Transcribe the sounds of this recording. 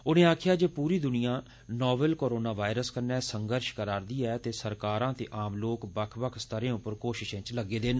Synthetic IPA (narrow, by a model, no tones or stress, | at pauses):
ʊnẽːaːkʰɪjaːd͡ʒeːpuːɾiːd̪ʊnɪjãː | nɔːbəlkoːɾoːnaːʋaːɪɾəskənɛːsəŋɡəɾʃkəɾaːɾd̪iːɛːt̪eːsəɾkaːɾãːt̪ḛːʔaːmloːkbəkʰbəkʰst̪əɾẽːʊpːəɾkoːʃɪʃẽːt͡ʃləɡːeːd̪ɪn